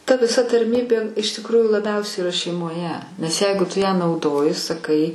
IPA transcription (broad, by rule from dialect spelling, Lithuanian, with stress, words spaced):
tɐ ʋʲɪˈsɐ tɐrʲˈmʲiːbʲeː ɪʃ tʲɪkˈruːjuː lˠɐˈbʲɛʊsʲɛɪ ɪˈrɐ ʃʲɛɪmoːˈjɛ nʲɛs ˈjɛɪɡʊ ˈtʊ jæː nɐʊˈdoːjɪ sɐˈkɐɪ